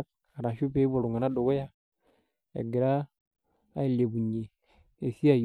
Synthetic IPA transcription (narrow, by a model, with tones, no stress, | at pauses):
k̚ | a˨ɾa˨ʃu˦pe˦bo˨ɾu˨ŋa˨na˦ɗo˨ɡo˦ja˦ | ḛ˨ɡi˨ɾaː˦ | i˨lːe˨bu˨ɲe˨ | e˨si˦a˦˨j